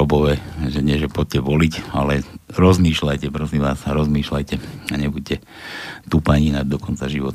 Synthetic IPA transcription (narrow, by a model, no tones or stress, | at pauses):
ɔbɔʋɛːʒɛɲɪɛʒɛpɔt̚cɛʋɔlicalɛɾɔzmiːʃlajcɛpɾɔsiʋaːsaɾɔzmiːʃlajcɛaɲɛbuc̚cɛ | t̪uːpaɲiːnad̪ɔkɔnt͡saʒiʋɔt̪